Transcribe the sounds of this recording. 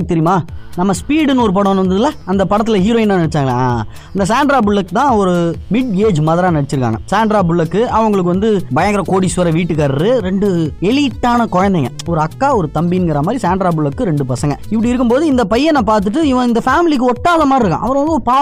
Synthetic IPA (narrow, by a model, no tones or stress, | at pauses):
kːɯt̪ɛɾɪjmaːnɐmːɐspiːɽɯnɔɾɯp̬ɐɽɐ̃nʋɐnd̪ɐðɯlːaɐnd̪ɐpɐɽɐt̪̬ːɪlɐhiːɾoːɪnːaːnɐɽɛt͡ʃːaːŋɡɐɭa̰ː | ɐnd̪ɐs̬aːɳɖɾaːbɯɭːɐkːɯt̪ãːɔɾɯmɪɖeːd͡ʒmɐːðɐɾaːnɐɽɐt͡ʃːɪɾɯkːa̰ŋɡɐsaːɳɖɾaːbɯɭːɐkːɯɐʋɐŋɡɐɭɯk̬ːɯʋɐnd̪ɯbɐjɐŋɡɪɾɐkoːɽisɐɾɐʋiːʈːɯkːaɾɾɯɾɛɳɖɯɛliːʈːaːnɐkɔɻɐnd̪ɛŋɡɐ | ɔɾɯɐkːaːɔɾɯt̪ɐmbinɡɐɾɐmaːd̪ɾisaːɳɖɾaːbɯɭːɐkːɯɾɛɳɖɯpɐsɐŋɡɐɪpːɐɽiɪɾɯk̬ːɯmpoːðɯɪnd̪ɐpɐjːɛnãːpaːɾt̪̬ɯʈ̬ːɯɪʋɐ̃ɪnd̪ɐfaːmɪlik̬ːɯɔʈːaːðɐmaːiɪɾɯkːã̰ʔɐʋɐɾɐ̃ʋɐnd̪ɯɔɾɯpaː